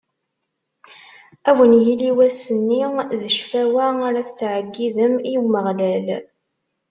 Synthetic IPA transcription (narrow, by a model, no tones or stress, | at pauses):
ævənjiliwæsənːiðəʃfæwæaɾaθt͡sːʕəɡːiðəmiwməʁlæl